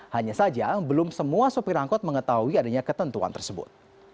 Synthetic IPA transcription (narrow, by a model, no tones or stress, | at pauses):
haɲasad͡ʒabəlʊmsəmuasupiɾaŋkɔt̪̚məŋət̪aɦuiadaɲakət̪ənt̪ua̰nt̪ərsəbʊ̰t̪̚